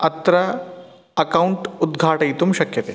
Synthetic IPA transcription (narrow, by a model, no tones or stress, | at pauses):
ɐt̪ɾɐ | ɐkɐwɳʈud̪ɡʱaːʈɐjt̪umʃɐkjɐt̪eː